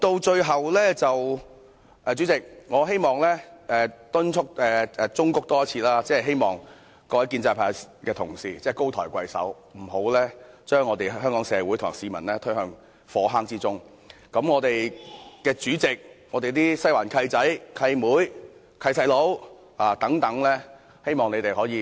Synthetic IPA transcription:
t̪o˧wt͡ʃɵ˧ɥɦɐ˨wlɛː˥t͡sɐ˨w | ʔɛː˨t͡ʃyː˨˥t͡sɪ˨k̚ŋɔː˨˧ɦe˥jmɔː˨˩ŋlɛː˥ɛː˨˩t̪ʊ˥nt͡ʃʰʊ˥k̚ɛː˨ɛː˨t͡sʊ˥ŋkʊ˨˥k̚t̪ɔː˥ɐ˥t͡sʰiː˧laː˥t͡sɛː˥ɛ˨jɦe˥jmɔː˨˩ŋ | kɔː˧wɐ˨˥kiː˧nt͡saː˧jpʰaː˨˩ | kɛː˧t̪ʰʊ˨˩ŋsiː˧t͡sɛː˥˩ko˥wt̪ʰɔː˨˩jkʷɐ˧jsɐ̰˨˥w | m̩˨˩ɦo˨˥wlɛː˥t͡ʃœː˥ŋːɔː˨˧t̪e˨jɦœː˥ŋkɔː˨˥ŋsɛː˨˧wuː˨˥jt̪ʰʊ˨˩siː˨˧mɐ̰˨˩nlɛː˥t̪ʰɵ˥ɥhœː˧ŋ | fɔː˨˥ɦaː˥ŋt͡siː˥t͡sʊ˥ŋ | kɐ˨˧˥mŋɔː˨˧t̪e˨jkɛː˧t͡ʃyː˨˥t͡sɪ˨k̚ŋɔː˨˧t̪e˨jt̪iː˥sɐ˥jwaː˨˩nkʰɐ˧jt͡sɐ˨˥jkʰɐ˧jmuː˨˥j | kʰɐ˧jtʰɐ˨˩jlo˨˧˥w | aː˨t̪ɐ˨˥ŋt̪ɐ˨˥ŋlɛː˥ | he˥jmɔː˨˩ŋne˨˧jt̪e˨jhɔː˨˥jiː˨˧

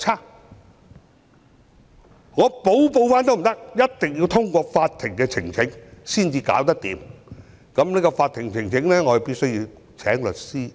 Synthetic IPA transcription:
t͡sʰaː˥˩ | ŋɔː˨˧po˨˥wpo˧wfaː˧˥nt̪o˥wm̩˨˩t̪ɐ˥k̚jɐ˥t̚t̪ɪ˨ŋjiː˧wt̪ʰʊ˥ŋkʷɔː˧kfaː˧t̪̚ʰɪ˨˩ŋkɛː˧t͡sʰɪ˨˩ŋt͡sʰɪ˨˥ŋsiː˥˩nt͡siː˧ka̰ː˨˥wt̪̬ɐ˥k̚t̪ḭː˨˧m | kɐ˨˥mneː˥kɔ˧faː˧t̪ʰːɪ˨˩ŋt͡sʰɪ˨˩ŋt͡sʰɪ˨˥ŋlɛː˥ŋɔː˨˧˨piː˥t̚sɵ˥wjiː˧w | t͡sʰɛː˨˥ŋlɵ˨t̚siː˥

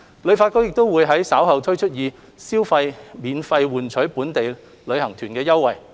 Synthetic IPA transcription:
lɵ˨˧ɥfaː˧t̚kɔ˥wjɪ˨k̚t̪o˥wwuː˨˧jɦɐ˨˥jsaː˨˥wɦɐ˨wt̪ʰɵ˥ɥt͡ʃʰɵ˥t̚jiː˨˧ | siː˥wfɐ˧jmiː˨˧nfɐ˧jwuː˨nt͡ʃʰɵ˨˥ɥpuː˨˥nt̪e˨j | lɵ˨˧ɥhɐ˨˩ŋt̪ʰyː˨˩nkɛː˧jɐ˥wːɐ˨˩j

